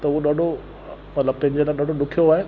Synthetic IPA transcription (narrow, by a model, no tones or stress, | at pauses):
t̪ɐuoɗaːɖʱo | mɐt̪ləb̚t̪ɐ̃ɦɪ̃ɲd͡ʑelaːɗaːɖʱoɗʊkʰijoaːɦe